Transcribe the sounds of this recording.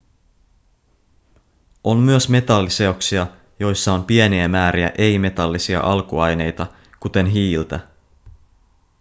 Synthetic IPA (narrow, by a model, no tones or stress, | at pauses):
o̞mːyøsme̞t̪ɑlːise̞oksiɑ | jo̞jsːɑo̞mpie̞niæmæːɾiæ̰ʔe̞jme̞t̪ɑlːisiɑ̰ʔɑlkuɑjne̞jt̪ɑ | kut̪e̞nɦiːlt̪æ